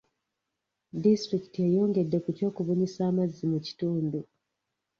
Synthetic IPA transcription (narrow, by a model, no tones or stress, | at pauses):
distɾiki̥tiejoːŋɡe̞dːe̞kutjo̞ːkuβoɲisaːmazːimuci̥tuːndu